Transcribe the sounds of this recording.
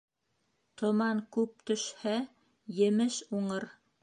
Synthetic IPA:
t̪ʰŏmɑŋkʉp̚t̪ɵ̆ʃhæ | jɘ̆mɘʃuɴɤɾ

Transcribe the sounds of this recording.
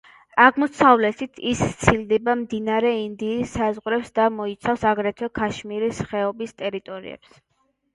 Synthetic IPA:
aʁmɔsʰavlɛt̪ʰit̪ʰist̪sʰild̪ɛbamd̪inaɾɛind̪iːsːazʁɾɛpsd̪amɔit̪sʰafsaɡɾɛt̪ʰɛkʰaʃmiɾisχɛɔbist̪ʼɛɾit̪ʼɔɾḭɛ̰ps

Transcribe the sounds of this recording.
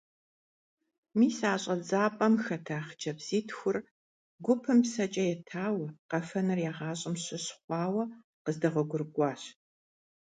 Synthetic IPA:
miːsaːɕʼɐd͡zaːpʼɐmxɐtʰaːχd͡ʒɐbz̥iːtxʷʊr | ɡʷʊpʰɨmpsɐt͡ʃʼɐjɛtʰaːwɐqɐfɐnɨrjaːʁɑːɕʼɪmɕɪɕχʷɑːwɐ | qəzdɐʁʷɔɡʷʊrɡʷʼɑːɕ

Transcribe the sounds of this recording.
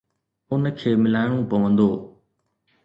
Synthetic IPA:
ʊnəkʰeːmɪlaːɪɽ̃ũpɐʋə̃nd̪oː

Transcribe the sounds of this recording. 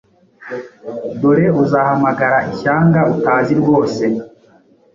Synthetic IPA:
doɾe̞uzahamaɡaɾaʔiçaːŋɡautaːziɾɡo̞ːse̞

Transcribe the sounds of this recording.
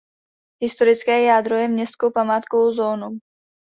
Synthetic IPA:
ɦɪst̪oɾɪt͡skɛːjaːd̪ɾojɛmɲɛst̪kowpamaːt̪kovozoːnu

